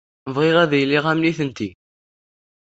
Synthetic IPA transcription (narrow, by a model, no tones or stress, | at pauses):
vʁɪʁæðjlːiʁæmliθənt̪i